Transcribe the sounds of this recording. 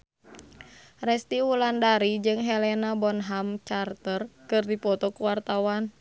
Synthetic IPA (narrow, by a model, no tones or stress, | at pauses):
rɛst̪iulandaɾid͡ʒɨŋɦɛlɛnabɔnɦamt͡ʃart̪ərkɨrdipɔt̪ɔkuwart̪awan